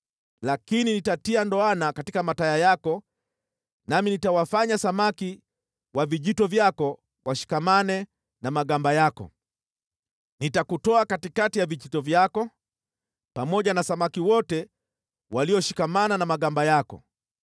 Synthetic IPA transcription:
lakininitatiandɔanakatikamatajajakɔ | naminitawafaɲasamaki | waviʄitɔvjakɔ | wʔaʃi̥kamanɛ | namaɠambajakɔ̰ | nitakutɔakatikatijaviʄitɔvjakɔ | pamɔʄanasamakiwɔtɛ | waliɔʃi̥kamananamaɠambajakɔ̰

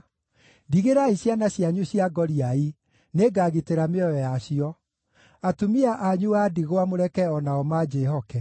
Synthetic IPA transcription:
diɣeɾaiɕjanaɕjaɲuɕjaɡɔɾiai | neɡaːɣiteɾameɔjɔjaɕiɔ | atomiaʔaɲuadiɣwamoɾɛkɛɔnaɔmad͡ʑehɔkɛ

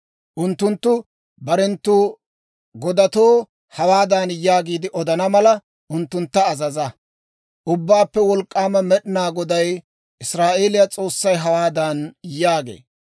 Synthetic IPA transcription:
ʔʊnt̪ːʊnt̪ːʊ | bɐɾɛnt̪ːuː | ɡɔd̪ɐt̪oː | hɐwaːd̪aːnjaːɡiːd̪ɪʔɔd̪ɐnɐmɐlɐ | ʊnt̪ːʊnt̪ːɐːzɐzɐ | ʔʊbːaːpːɛwɔlkʼːaːmɐmɛɗɪnaːɡɔd̪ɐj | ʔɪsɾaːʔe̞ːlɪjɐt͡sʼo̞ːsːɐjɦɐwaːd̪ɐnjaːɡḛː

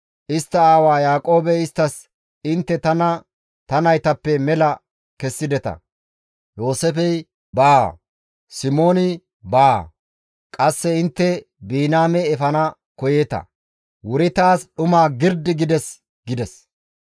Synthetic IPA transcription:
ʔɪst̪ːɐaːwaːjaːkʼo̞ːbɛɪst̪ːɐs | ɪnt̪ːɛt̪ɐnɐ | t̪ɐnɐjt̪ɐpːɛmɛlɐ | kɛsːɪd̪ɛt̪ɐ̰ | jo̞ːsɛfɛj | baː | sɪmo̞ːnɪ | baː | kʼɐsːɛɪnt̪ːɛ | biːnaːmɛɛfɐnɐ | kɔjet̪ɐ̰ | wʊɾɪt̪aːsɗʊmaːɡɪɾd̪ɪɡɪd̪ɛs | ɡɪd̪ɛs

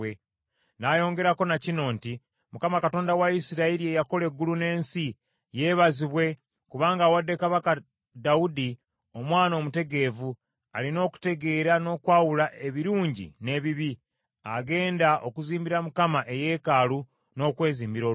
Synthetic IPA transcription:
e | najo̞ːŋɡe̞ɾako̞nacino̞ːnti | mukamakato̞ːndawaisiɾaiɾiejako̞le̞ɡːulune̞ːnsi | je̞ːβaziβwe̞ | kuβaːŋɡaːwadːekaβaka | daudi | o̞mwaːno̞ːmute̞ɡe̞ːvu | a̰lino̞ːku̥te̞ɡe̞ːɾano̞ːkwaːwulaʔe̞βiɾuːɲɟḭne̞ːβiβi | aɡe̞ːndaʔo̞kuziːmbiɾamukamaʔe̞je̞ːkaːlu | no̞ːkwe̞ːziːmbiɾo

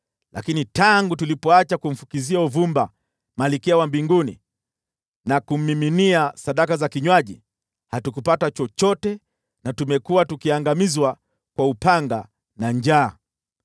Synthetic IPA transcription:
lʔa̰kinitaŋɡutulipɔat͡ʃakum̩fu̥kiziauvumba | malikɛawambiŋɡunḭ | nakum̩ːiminiasaɗakazakiɲwaʄḭ | hatukupatat͡ʃɔt͡ʃɔtɛ | natumɛkuwatukiaŋɡamizwa | kwaupaŋɡa | naɲd͡ʒaː

